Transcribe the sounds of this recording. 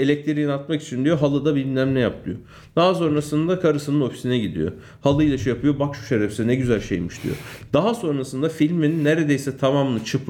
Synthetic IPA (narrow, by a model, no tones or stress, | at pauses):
elʲɛc̚t̪ʰiɾiinat̪maki̥t͡ʃʰind̪ijo̞ɦalˠɯd̪abilʲmlʲæmlʲɛjap̚lʰˠɯjo | d̪̥aɦaso̞nɾasɯnd̪akʰaɾɯsɯnɯno̞fi̥sinɛɟid̪ḭjo̰ | halˠɯjlʲaʃujapʰɯjo̞bakʃu̥ʃeɾɛfsinɛɟyzælʲʃḛjmɯʃd̪̥ḭjo̰d̪̥aɦaso̞nɾasɯnd̪afilʲmeninːeɾed̪ejsɛt̪ʰamamnˠɯt͡ʃʰɯp